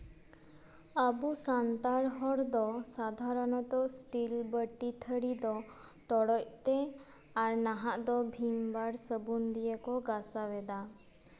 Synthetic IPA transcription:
abusant̪aɽɦɔɽd̪ɔsad̪ʱaɾɔnɔt̪ɔsʈilbəʈːit̪ʰəɽid̪ɔ | t̪ɔɽɔct̪e | aɾnaɦaʔd̪ɔbʱinbaɽsəbund̪ijekɔɡasawed̪a

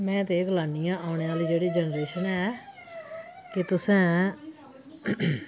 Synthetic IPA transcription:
mɛ̃ːt̪eːɡəlaːnijãːʔaːʊɳ̃eːaːliːd͡ʒeːɽiːd͡ʒɛnɾeːʃənɛː | kɪt̪ʊsɛ̃ː

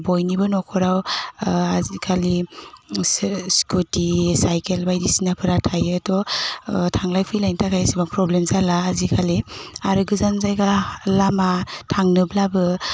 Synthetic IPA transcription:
bɔjnibɯnɔkʰɔɾaw | azikʰali | skutisajkelbajdisinapʰɯɾatʰajɯtɔ | tʰaŋlajpʰɯjlajntʰatʰajsibaŋpɾɔblemsalaːzikʰaliaɾɯɡɯzanzajɡalamatʰaŋnɯblabɯ

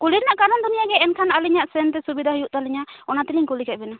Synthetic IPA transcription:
kuliɾnaʔkaɾɔnd̪unijaɡɛɛnkʰanaliɲaʔsɛnt̪ɛsubid̪ʱaɦujuʔt̪aliɲaɔnat̪iliŋkulikɛt̪̚bɛna

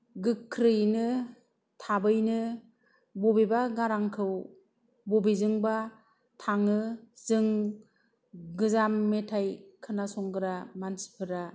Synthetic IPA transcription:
ɡɯkʰːɾɯjnɯ | tʰabɯjnɯ | bɔbebaɡaɾaŋkʰɯw | bobizɯŋba | tʰaŋɯzɯŋ | ɡɯzamːetʰajkʰɯnasɔŋɡɯɾamansi̥pʰɯɾa

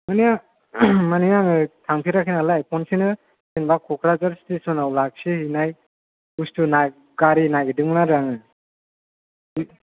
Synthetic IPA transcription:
manija | manijaŋɯtʰaŋpʰiɾakʰinalajpʰɔnsinɯ | sinbakʰɔkʰɾazaɾstisɔnawlak̚sihinaj | ustuna | ɡaɾinajɡɯdɯŋnaɾaŋɯ

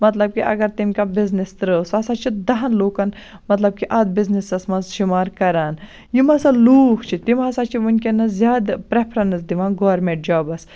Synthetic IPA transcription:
mɐt̪lɐb̚kiʔɐ̰ɡɐɾt̪imʲkabiznist̪ɾəsɐsat͡ʃʰid̪ɐɦɐnloːkɐn | mɐt̪lɐb̚kiʔɐd̪̚biznisɐsmɐzʃimaːɾkɐɾaːn | jimɐsɐluːkt͡ʃʰit̪imɐsaːt͡ʃʰiʋunʲkenɐzjaːd̪pɾepʰɾɐnɨsd̪iʋãːnɡoːɐɾmẽɳʈ̚d͡ʒaːbɐs

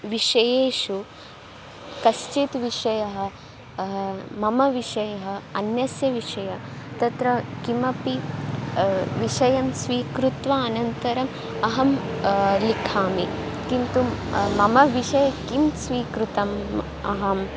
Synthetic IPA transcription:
ʋiʂɐjeːʃu | kɐst͡ʃit̪ʋiʂɐjɐɦɐ̆ | mɐmɐʋiʂɐjɐɦɐ̆ɐnjɐsjɐʋiʂɐjɐt̪ɐt̪ɾɐkimɐpi | ʋiʂɐjɐmsʋiːkɾut̪ʋɐɐnɐnt̪ɐɾɐm | ɐɦɐm | likʰaːmi | kint̪umɐmɐʋiʃɐjɐkimsʋiːkɾut̪ɐm | ɐɦɐm

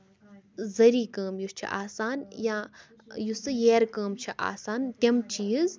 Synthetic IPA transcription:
zɐɾiːkəːmjust͡ʃʰḭʔaːsaːnjãː | jusɨjeːɾkəːmt͡ʃʰiʔa̰ːsaːnt̪ʲɐmt͡ʃiːz

